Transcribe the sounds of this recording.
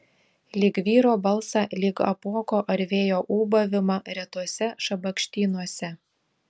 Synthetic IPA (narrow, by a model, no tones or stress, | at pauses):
lʲiːkʋʲiːɾoːbɐlˠsɑlʲiːkɐ̰puɔkoːʔɐɾʲʋʲeːjoːʔuːbɐʋʲɪmɑɾʲɛt̪uɔsʲɛʃɐbɐkʃʲt̪ʲiːnuɔsʲɛ